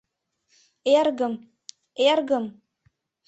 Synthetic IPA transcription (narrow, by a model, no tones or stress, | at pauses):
erɡə̆m | erɡə̆m